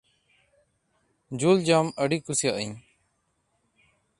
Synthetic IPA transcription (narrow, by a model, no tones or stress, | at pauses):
d͡ʒuld͡ʒaməɖikusijaʔəɲ